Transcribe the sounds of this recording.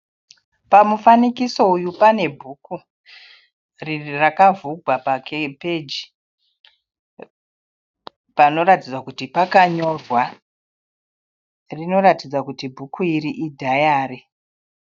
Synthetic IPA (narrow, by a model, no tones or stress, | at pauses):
pamufanikiso̞ujupane̞bʱuːku | rirakavuɡʱwapakeped͡ʒi | pano̞ɾatid͡zwakutipakaɲo̞rwa | rino̞ɾatid͡zwakutibʱukʰuiɾiʔidʱajaːɾe